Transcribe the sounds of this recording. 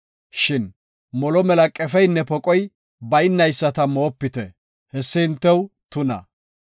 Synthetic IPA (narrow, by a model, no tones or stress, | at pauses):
ʃɪn | mɔlɔmɛlɐkʼɛfɛjnːɛpɔkʼɔj | bɐjɪnːɐjsːɐt̪ɐmo̞ːpːɪt̪ɛ | hɛsːɪɪnt̪ːɛwt̪ʊnɐ̰